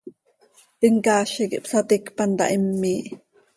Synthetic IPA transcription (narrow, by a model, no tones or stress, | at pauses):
əŋkɑːʃikḭʔpsɑt̪ikpɑnt̪ɑ̰ʔimːiːʔ